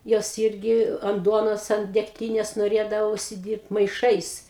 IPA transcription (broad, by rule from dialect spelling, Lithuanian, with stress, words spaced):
ˈjoːs ˈɪrʲɡʲɪ ɐnt ˈduɔnoːs ɐnt dʲɛkˈtʲiːnʲeːs noːˈrʲeːdɐʋɐ ʊʃʲsʲɪˈdʲiːrpt mɐɪˈʃɐɪs